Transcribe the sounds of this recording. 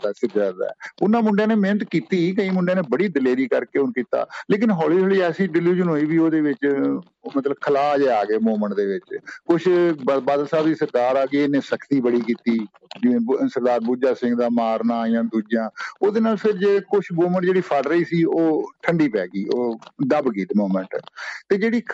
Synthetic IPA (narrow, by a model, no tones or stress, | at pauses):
asɪɾd͡ʒəd̪a̰ɛːʊnːãːmʊɳɖjãːneːmeːnət̪kiːt̪iːkəĩːmʊɳɖẽaːneːbəɽiːd̪ɪleːɾiːkəɾkeːʊnkiːt̪a̰ːleːkɪnɦɔːliːɦoːliːɛːsiːɖɪluːd͡ʒənɦoːiːʋiːoːd̪eːʋɪt͡ʃ | mət̪ləbkʰəlaːd͡ʒɛaːɡeːmoːməɳʈ̚d̪eːʋɪt͡ʃkʊt͡ʃʰbaːd̪əlsaːbd̪iːsəɾkaːɾaːɡiːenẽːsəkt̪iːbəɽiːkiːt̪iː | d͡ʒɪẽːsəɾd̪aːɾbuːd͡ʒaːsɪ̃ŋɡd̪aːmaːɾnãːjãːd̪uːd͡ʒjãːoːd̪eːnaːlpʰɪɾd͡ʒeːkʊt͡ʃʰmoːməɳʈd͡ʒeːɽiːpʰəɖɾəiːsiːoːʈʰəɳɖiːpɛːɡiːoːd̪əbɡiːd̪moːməɳʈːt̪eːd͡ʒeːɽiː